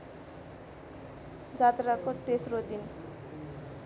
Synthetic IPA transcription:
d͡zat̪rakot̪esrod̪in

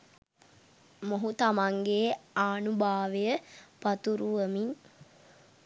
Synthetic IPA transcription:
moɦut̪amaŋɡeːaːnubʱaːʋejəpat̪uɾuʋəmiŋ

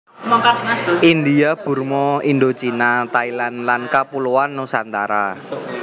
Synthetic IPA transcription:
ind̪iab̥ṳrmɔind̪ot͡ʃinat̪ailanlankapuluanːʊŋsant̪a̰ɾa̰

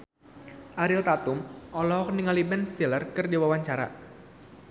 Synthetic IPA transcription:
ʔaɾilt̪at̪ʊmʔɔlɔɦɔkniŋalibɛnst̪ilərkɨrdiwawaɲt͡ʃaɾa̰

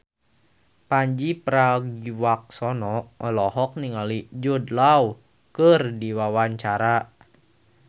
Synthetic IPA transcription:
paɲd͡ʒipɾaɡiwak̚sɔnɔʔəlɔhɔk̚niŋalid͡ʒudlaw | kɨrdiwawaɲt͡ʃaɾa

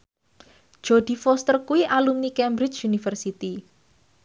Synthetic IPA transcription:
ʒ̥oɖ̪̥i̤fɔst̪ərkuwiʔalumnikɛmbɾɪt͡ʃunifərsit̪i

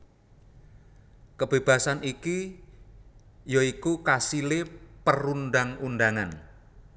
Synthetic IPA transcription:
kəb̥e̤b̥a̤saniki | joikukasilepəɾundaŋunɖaŋan

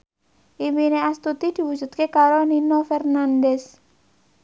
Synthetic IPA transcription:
ʔimineast̪ut̪id̪̥i̤wud͡ʒ̥ṳt̪̚kekaɾoninofɛrnandɛs

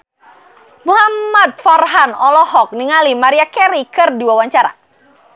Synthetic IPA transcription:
muɦammat̪̚farɦanɔlɔɦɔk̚niŋalimaɾiakɛɾikɨrdiwawaɲt͡ʃaɾa̰

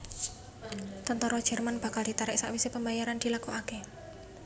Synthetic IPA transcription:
t̪ənt̪ɔɾɔd̥ʒ̥ɛrmanb̥a̤kald̥it̪aɾɪʔsaʔwisepəmbajaɾand̥i̤lakɔʔake

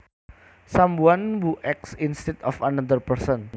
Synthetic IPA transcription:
sambuanwuʔɛksinst̪ɛt̪ɔ̰fanənd̪ərpərsən

